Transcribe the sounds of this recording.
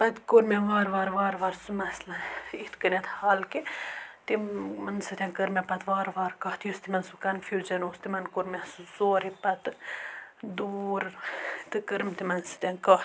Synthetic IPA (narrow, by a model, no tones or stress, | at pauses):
pɐt̪koɾmʲɛʋaːɾʋaːɾʋaːɾʋaːɾsumɐslɐiht̪ʰkənɐt̪ʰhaːlket̪imɐnsɨt̪ʲãkəɾmapɐt̪ʋaːɾʋaːɾkɐːht̪ʰjost̪imɐnsukɐnfilt͡ʃɐnoːst̪imɐnkoɾmʲasuzoːɾipɐt̪ | d̪uɾt̪ɨkəɾmt̪imɐnsɐ̥t̪ʲãkaht̪